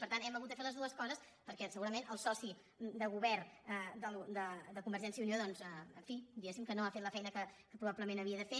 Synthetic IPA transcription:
pəɾt̪anɛməɣut̪d̪əfeləzðuəskɔzəs | pəɾkɛsəɣuɾəmenəlˠsɔsi | d̪əɣuβɛrəd̪əld̪əd̪əkumbəɾʒɛnsəðunijoðɔnzɛəɱfid̪iɣɛsimkənoafet̪ləfɛjnəkəkəpɾuβapləmẽnəβiəðəfe

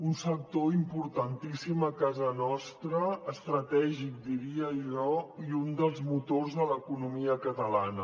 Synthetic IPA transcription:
unsək̚t̪oimpuɾt̪ənt̪isiməkazənɔst̪ɾəːst̪ɾət̪ɛʒik̚d̪iɾiəʒɔiund̪əlˠzmut̪orzðələkunumiəkət̪əlanə

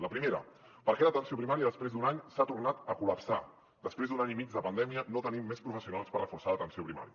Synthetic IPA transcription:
ləpɾimeɾə̰ | pəɾkelət̪ənsiopɾimaɾiəðəspɾezd̪unaɲsat̪urnat̪əkuləpsa | d̪əspɾezd̪unaɲimid͡zd̪ðəpənd̪ɛmiənot̪ənimːespɾufəsiunalˠspəɾrəfuɾsaðət̪ənsiopɾima̰ɾiə

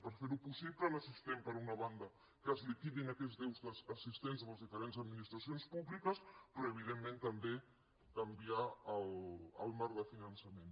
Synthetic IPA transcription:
pəɾfeɾupusiβlələsist̪empəɾunɐβand̪ə | kəzlikiðinakɛzðɛwzðəzəsist̪enzəməzðifəɾenzəd̪minist̪ɾɐsionspuβlikəspɾɔəβ̞iðemːẽnt̪əmbe | kɐmbiaələlˠmaɾðəfinənsəmẽn

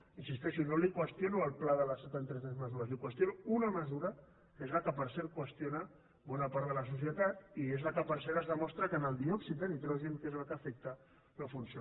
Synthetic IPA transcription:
insist̪ɛʃunolikwəst̪jonuəlˠplaðələsːət̪ant̪ɾɛsɛzməzuɾɐzlikwəst̪jonuunəməzuɾə | kezləkəpəɾsɛɾkwəst̪jonə | bɔnapaɾt̪ðələs̬us̬jət̪at̪iezləkəpəɾsɛɾəzðəmɔst̪ɾəkənəlˠd̪iɔksiðənit̪ɾɛwʒemkezlakəfɛk̚t̪a | ləfunsi

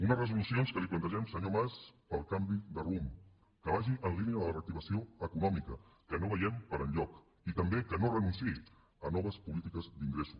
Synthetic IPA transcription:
unərəzulusionskəliplənt̪əʒɛmsəɲomaspəlˠkambiðərum | kəβaʒiʔənliniəðələrək̚t̪iβəsioəkunɔmikəkənoβəjɛmpəɾənʎɔk | it̪əmbekənorənunsi | ənɔβəspulit̪ikəzd̪iŋɡɾesu̥

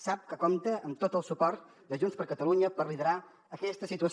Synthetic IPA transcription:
sap̚kəkomt̪əʔəmt̪ot̪əlˠsupɔɾt̪ | d̪əʒunspəɾkət̪əluɲəpərliðəɾa | əkɛst̪əsit̪uəs

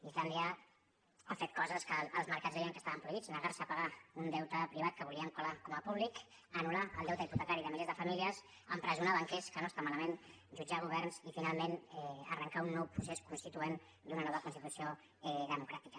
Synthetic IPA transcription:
izland̪iə | afet̪̚kɔzəskəːlˠzməɾkadzðɛjəŋkəst̪aβəmpɾuiβid͡znəɣaɾsəpaɣaund̪ɛwt̪əpɾiβ̞at̪̚kəβuliəŋkulakɔməpuβlik | ənulaə̰lˠd̪ɛwt̪əiput̪əkaɾiðəmilezðəfamiliəz | əmpɾəzunaβəŋkeskənoəst̪amaləmen | ʒud͡ʒaɣ̞uβɛrnzifinalˠmenɛə̰rəŋkaunːɔwpɾuseskunst̪it̪uen | d̪unənɔβəkunst̪it̪usio | ɛðəmukɾat̪ikə

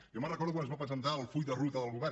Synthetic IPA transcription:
jomənrəkɔɾðukwanəzβapɾəzənt̪aəlˠfuʎd̪ərut̪əðəlˠɣuβɛ

